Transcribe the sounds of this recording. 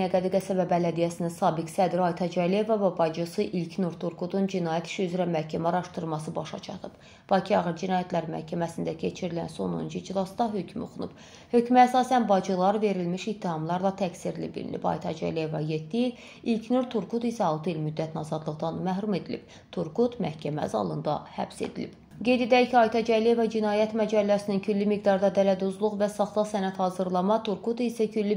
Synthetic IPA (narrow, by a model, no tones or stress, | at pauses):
æɡæd̪iɡæsæbæbælæd̪ijæsininsɑːbiksæd̪ɾiɑjt̪ʰɑd͡ʒælije̞vɑvæbɑd͡ʒɯsɯʔilcʰnuɾt̪ʰuɾkʰud̪und͡ʒinɑːjæt̪ʰi̥ʃiyzɾæmæhcʰæmæɑɾɑʃt̪ɯɾmɑs̬ɯbɑʃɑ̰t͡ʃʰɑ̰t̪ʰɯb̥ | b̥ɑcʰiɑːɣiɾd͡ʒinɑːjæt̪læɾmæ̰hcʰæmæsind̪æcʰe̞t͡ʃʰiɾilæ̰nso̞no̰nd͡ʒid͡ʒilˠɑsd̪ɑɦø̞cʰmo̰xunub̥ | hø̞cʰmæsɑːsænbɑd͡ʒɯlˠɑɾve̞ɾilmiʃit̪ʰːihɑmlˠɑɾlˠɑt̪ʰæksiɾlḭbḭlḭlḭbɑ̰jt̪ʰɑd͡ʒæ̰lijevɑje̞t̪ːiil | ilcʰnuɾt̪ʰuɾkut̪isæɑlˠt̪ɯilmyd̪ːæt̪ʰnɑzɑd̪lˠɯʁd̪ɑnmæɦɾume̞d̪ilḭb̥ | t̪ʰuɾkut̪mæ̰hcʰæmæ̰zɑ̰lˠɯnd̪ɑ̰hæ̰bse̞̰d̪ilib̥ | ɡe̞jd̪e̞d̪æicʰiɑjt̪ʰɑd͡ʒælije̞vɑd͡ʒinɑːjæt̪mæd͡ʒælːæsinincʰylːimiɡd̪ɑɾd̪ɑd̪ælæd̪uzlˠuɣvæsɑχlˠɑsænæt̪hɑːzɯɾlˠɑmɑt̪ʰuɾkut̪ʰisæcʰylːi